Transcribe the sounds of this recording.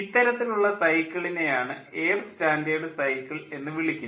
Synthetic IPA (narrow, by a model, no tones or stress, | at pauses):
it̪ːɐɾɐt̪ːiluɭːɐsɐjkʲːɐɭine̞jaːɳɨeːrstaːndejɽɨsɐjkːɐɭe̞nːɨʋiɭikʲːu